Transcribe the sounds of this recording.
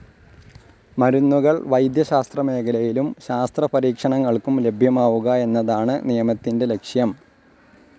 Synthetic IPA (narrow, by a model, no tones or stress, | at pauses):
mɐɾunːuɣɐɭʋɐjd̪jɐɕaːst̪rɐme̞ːkʰɐlɐjilumɕaːst̪rɐpɐɾiːkʂɐɳɐŋːɐɭkumle̞bʱjɐmaːʋuɣɐe̞nːɐðaːɳɨnijɐmɐt̪ːinde̞le̞kʂjɐm